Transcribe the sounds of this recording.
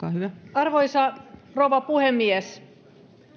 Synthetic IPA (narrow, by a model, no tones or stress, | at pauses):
kɑːhyʋæɑrʋoisɑroʋɑpuhemːies